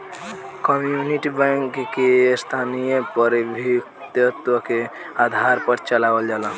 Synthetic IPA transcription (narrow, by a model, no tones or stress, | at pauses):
kɔmjuniʈibɛ̃ŋkkest̪ʰanijepəɾbʱikt̪jət̪wəke | ad̪ʱaɾpəɾt͡ʃəlaʋəld͡ʒaːla